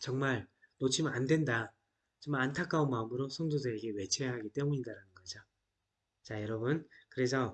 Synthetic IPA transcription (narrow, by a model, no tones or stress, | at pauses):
t͡ɕʌŋmaɭnot͡ɕʰimandwe̞nda | t͡ɕomantʰak͈aonmaɯmɯɾosʰʌŋdodɯɾeɡe̞we̞t͡ɕʰejaɦaɡit͈e̞muindaɾanɯnɡʌd͡ʑo | t͡ɕajʌɾʌbunkɯɾe̞sʰʌ